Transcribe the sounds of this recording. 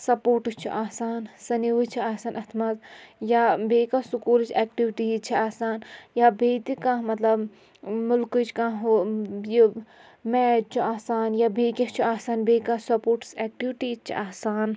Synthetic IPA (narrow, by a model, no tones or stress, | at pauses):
sɐpoːɾʈɨst͡ʃʰḭʔaːsaːnsɐniʋut͡ʃʰiaːsaːnʔɐt̪ʰmɐt̪jabeːkasukuːlt͡ʃʰɛːk̚ʈiʋʈiːt͡ʃʰiaːsaːnjabeːt̪ikãːɦmɐt̪lɐb | mʊlkɨt͡ʃkãɦoji | mɛːt͡ʃʰiaːsaːnjabeːkʲɐt͡ʃʰiaːsaːnbeːkaːsɐpoːɾʈsɛːk̚ʈiʋʈiːt͡ʃʰḭʔaːsaːn